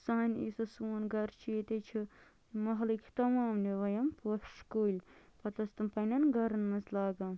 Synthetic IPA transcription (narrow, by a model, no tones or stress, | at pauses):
sɐːnʲḭːsɐsuːnɡɐɾt͡ʃʰiːt̪et͡ʃʰi | mɐɦlikʰi̥t̪ɐmaːmniʋɐjɐmpufʃkoːlʲpɐt̪ɐst̪ɐmpɐnɐnɡɐɾɐnmɐslaːɡam